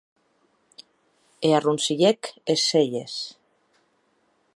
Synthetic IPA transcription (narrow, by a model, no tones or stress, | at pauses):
earunsiʎekeseʎes